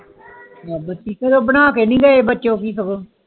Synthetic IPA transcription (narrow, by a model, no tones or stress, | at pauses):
bətːiːkeːt̪oːbənaːkeːnĩːɡəeːbətːʃõːkiːsəkoː